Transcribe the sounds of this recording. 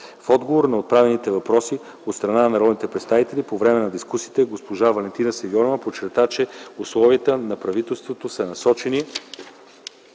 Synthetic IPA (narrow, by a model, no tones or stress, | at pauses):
fɔd̪ɡovoɾnɐot̪̚pɾavɛnit̪ɛvɐpɾɔsi | ot̪st̪ɾɐnanɐɾɔd̪nit̪ɛpɾɛt̪st̪avit̪ɛlipovɾɛmɛnɐd̪iskusiːt̪ɛɡospoʒavɐlɛnt̪inɐəsɛɡʲɔɾovəpot͡ʃːɛɾt̪at͡ʃɛuslˠɔviət̪ənɐpɾɐvit̪ɛlˠst̪vot̪osɐnɐsɔt͡ʃɛni